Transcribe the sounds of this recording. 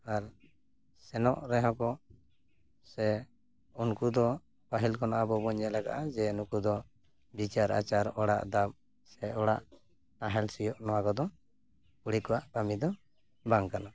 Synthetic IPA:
aɾ | sɛnɔ̰ʔɾɛɦɔ̃kɔ | sɛ | unkud̪ɔ | paɦilkɔnaʔabɔbɔɲd͡ʒɛlɛɡa̰ʔad͡ʒɛunukud̪ɔ | bit͡ʃaɾa̰t͡ʃaɾɔɽa̰ʔd̪ap̚ | sɛɔɽaʔ | naɦɛlsijɔʔnɔwakɔd̪ɔ | kuɽikɔwaʔpamid̪ɔ | baŋkana

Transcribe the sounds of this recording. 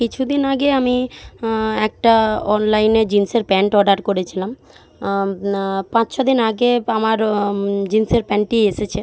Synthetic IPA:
kit͡ɕʰud̪inaɡeami | ɛk̚ʈaɔnlajneɾd͡ʑinseɾpɛɳʈɔɖaɾkoɾet͡ɕʰilam | pãt͡ɕʃʰod̪inaɡeamaɾd͡ʑinseɾpɛɳʈieʃet͡ɕʰe

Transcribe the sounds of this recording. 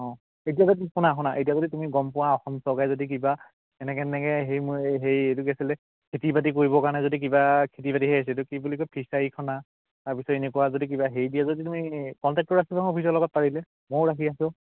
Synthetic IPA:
ɔ̃ | etiazodikʊnaxʊnaʔetijazoditumiɡɔmpʊwaɔxɔmsɔɡajzodik̬iba | ɛnɛkɛnɛkɛɦejmʊɦejetuɡɛsilɛ | kʰitibat̬ik̬oɹibɔkaɹnɛzodik̬ibakʰitipatiɦɛjas̬itʊkibulikɔpʰisaikʰɔna | taɹpisɔpenɛkʊwazodik̬ibaɦejdijazoditumikɔntɛk̚tɔɹakikʰɔ̃opʰis̬ɔɹlɔɡɔt̚paɹilɛ | moɹɹakʰiasɔ̃

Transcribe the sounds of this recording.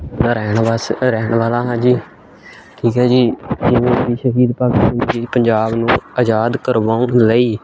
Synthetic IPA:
aɾɛːɳʋasɾɛːɳʋaːlãːɦãːd͡ʒiː | ʈʰiːkɦɛ̃ːd͡ʒiːd͡ʒɪẽːbiːʃəɦiːd̪paːkɪst̪ãːnd͡ʒiːpəɲd͡ʒaːbnũːəd͡ʒaːd̪kəɾʋaːũləiː

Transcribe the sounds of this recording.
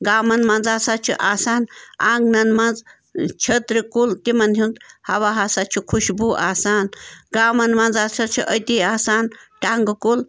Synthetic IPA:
ɡaːmɐnmɐnd͡zaːsat͡ʃʰḭʔaːsaːnaːŋɡnɐnmɐnd͡z | t͡ʃʰɐt̪ɾikult̪imɐnɦund̪hɐwaːɦasat͡ʃʰikʰuʃbuʔaːsaːnɡaːmɐnmɐnd͡zaːt͡ʃʰɐt͡ʃʰiʔɐt̪iːaːsaːnʈaŋɡkul

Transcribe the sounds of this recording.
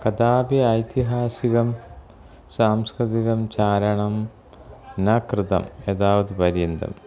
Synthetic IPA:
kɐt̪aːpjɐɐjt̪iɦaːsiɣɐm | saːmskɾɨd̪iɣɐmt͡ɕaːɾɐɳɐm | nɐkrɨt̪ɐ̰med̪aːʋɐd̪ɨpɐɾjɐnd̪ɐ̰m

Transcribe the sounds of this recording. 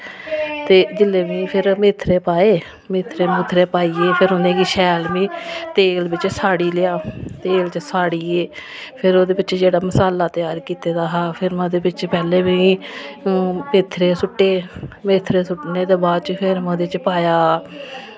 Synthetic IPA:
t̪eːd͡ʒɪlːeːʋĩːpʰɪɾmɪːt̪ʰːɾeːpaːeː | mɪːt̪ʰːɾeːmʊt̪ʰɾeːpaːiːeːpʰɪɾʊnẽːkiːʃɛːlʋĩːt̪eːlbɪt͡ʃsaːɽiːlɪjaːt̪eːlt͡ʃsaːɽiːeː | pʰɪɾoːd̪eːbɪt͡ʃd͡ʒeːɽaːməsaːlaːt̪jaːɾkiːt̪eːd̪aːɦaːpʰɪɾmɛ̃ːd̪eːbɪt͡ʃpɛːleːʋĩ | mɪt̪ʰːɾeːsʊʈːeːmeːt̪ʰːɾeːsʊʈneːd̪eːbaːd̪t͡ʃpʰɪɾmɛ̃ːd̪et͡ʃpaːjaː

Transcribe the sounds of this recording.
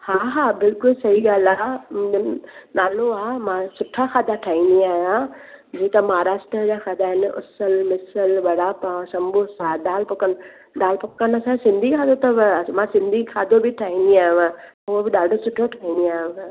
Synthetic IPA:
haːɦaːbɪlkʊlsɐɦiɠaːlaːmʊ̃d͡ʑonaːloaːmãsʊʈʰaxaːd̪aʈʰaːĩnd̪iaːɦijãd͡ʑiːt̪ɐmaːɾaːʃʈɾəd͡ʑaːxaːd̪aɦɪnɪʔʊ̰səlmɪsəlʋɐɽ̤apãsɐ̃mbʱʊsaɗaːlpʊkən | ɗaːlpʊkənɐsãsɪ̃nd̪ʱikʰaːd̪ot̪ɐmãsɪ̃nd̪ʱikʰaːd̪ʱobɪʈʰaːɦĩːnd̪iaːɦɪ̃ʋã | ʊobɪɗaːɖʱosʊʈʰoʈʰaːɦĩːnd̪iaːɦʊ̃ʋ̃

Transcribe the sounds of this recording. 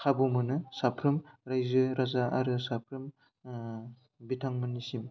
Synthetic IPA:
kʰabumɯnɯsapʰɾɯmɾajzɯɾazaʔaɾɯsapʰɾɯm | bitʰaŋmɯnisim

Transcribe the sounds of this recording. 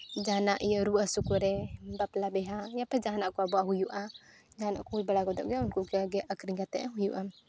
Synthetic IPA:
d͡ʒanaʔijəɾuʔasukuɾɛbaplabɛɦajapɛd͡ʒaɦanaʔkuabuaɦujuʔa | d͡ʒaɦana̰ʔkuujbalaɡɔd̪ɔʔɡɛunkuʔɡaɡɛʔakəɾiŋɡat̪ɛʔaɦujuʔa

